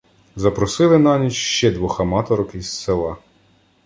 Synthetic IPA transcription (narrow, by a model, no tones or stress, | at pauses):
zɐpɾɔsɪlˠɪnɑnʲit͡ʃʃt͡ʃɛd̪ʋɔxɐmɑt̪ɔɾɔkisselˠɑ